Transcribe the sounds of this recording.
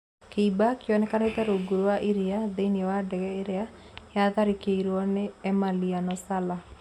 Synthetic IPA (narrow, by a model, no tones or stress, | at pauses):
keibakiɔnɛkanetɛɾoɡuɾowaʔiɾiaðeiniɛwadɛɣɛeɾea | jaðaɾikeiɾɔneɛmalianɔsala